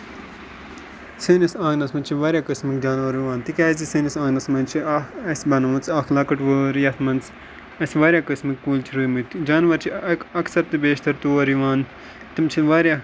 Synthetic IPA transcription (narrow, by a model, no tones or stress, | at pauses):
sɨːnisãːŋnɐsmɐnt͡ʃʰiʋaːɾʲjaːkɨsmɨkd͡ʒaːnʋɐɾiʋaːnt̪ikaːzisiːnisãːŋnɐsmɐnt͡ʃʰiaɐsbɐnɐmɐnt͡saːxlaːkɐʈʋəːɾjɐt̪ʰmɐnt͡s | ɐsʋaːɾʲjaːkɨsmɨkːuːlt͡ʃʰiɾɨːmɨt̪d͡ʒaːnʋɐɾt͡ʃʰiɐksɐɾt̪ɨbeːʃt̪ɐɾt̪uːʋɐɾiʋaːn | t̪ɨmt͡ʃʰilʋaːɾʲja